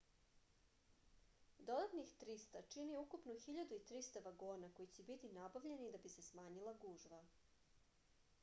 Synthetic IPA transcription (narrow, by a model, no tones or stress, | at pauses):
d̪o̞d̪at̪nixt̪ɾist̪at͡ʃiniukupnuxiʎad̪uit̪ɾist̪aʋaɡoːnako̞jit͡ɕebit̪inabaʋʎe̞nid̪abise̞smaːɲilˠaɡuːʒʋa